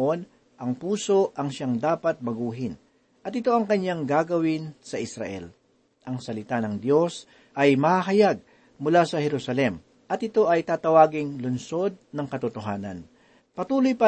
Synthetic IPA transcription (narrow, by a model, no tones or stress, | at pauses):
ʔo̞n | ʔɐŋpuːso̞ʔɐŋʃaŋd̪aːpɐt̪̚mɐɡuːɦɪn | ʔɐt̪ɪt̪o̞ʔɐŋkɐɲːaŋɡaːɡɐwɪnsɐʔɪsɾɐ̰ʔɛ̰l | ʔɐŋsɐlɪt̪anɐŋd̪jo̞s | ʔɐjmɐhaɦɐjaɡ̚ | mʊlasɐhɛɾusɐlɛm | ʔɐt̪ʔɪt̪o̞ʔɐjt̪aːt̪ɐwaːɡɪŋlʊnso̞d̪̚nɐŋkɐt̪ʊt̪oɦaːnɐ̰n | pɐt̪uːlojpɐ